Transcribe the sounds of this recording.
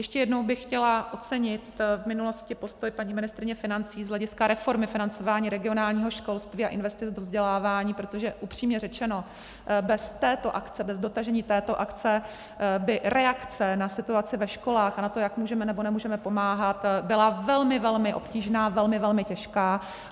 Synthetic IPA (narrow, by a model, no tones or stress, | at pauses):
jɛʃcɛjɛdno̞wbɪxːcɛlaʔo̞t͡sɛɲɪt̪vmɪnulo̞scɪpo̞st̪o̞jpaɲiːmɪnɪst̪ɾɪɲɛfɪnant͡siːzɦlɛɟɪskaɾɛfo̞ɾmɪfɪnant͡so̞vaːɲiːɾɛɡɪo̞naːlɲiːɦoʃko̞lst̪viːa̰ʔɪnvɛst̪ɪt͡sdovzɟɛlaːvaːɲiːpɾot̪o̞ʒɛʔupr̥iːmɲɛrɛt͡ʃɛno̞ | bɛst̪ɛːt̪o̞ʔakt͡sɛbɛzdo̞t̪aʒɛɲiːt̪ɛːt̪o̞ʔakt͡sɛ | bɪɾʔɛakt͡sɛnasɪt̪uat͡sɪvɛʃko̞laːxanat̪o̞jakmuːʒɛmɛnɛbo̞nɛmuːʒɛmɛpomaːɦat̪bɪlavɛlmɪvɛlmɪʔo̞̰pciːʒnaːvɛlmɪvɛlmɪcɛʃkaː